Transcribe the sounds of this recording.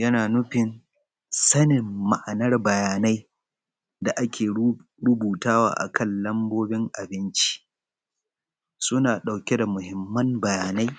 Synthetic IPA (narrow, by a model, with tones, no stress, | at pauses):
jɐ˦naː˨nʊ˦ɸɪ˨n | sɐ˦nɪ˨mːa˨ʔa˨nɐ˦rbɐ˨jaː˨na˦j | da˨ʔa˦kʲeː˨ | ɽʊ˦buː˨taː˦wa̰ː˨ʔa̰˨kʰɐ˦˨nlɐ˦mboː˦bɪ˦ŋʔa˨bɪ˦nt͡ʃi̥˦ | sʊ˦naː˨ɗa˨wkʲe˦da˨mʊ˨hɪ˦mːɐ˦nbɐ˨jaː˨na˦j